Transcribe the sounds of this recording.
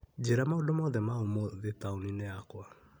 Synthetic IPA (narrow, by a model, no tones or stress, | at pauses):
d͡ʑeɾamaõndomɔðɛmaomoðetaonineakwa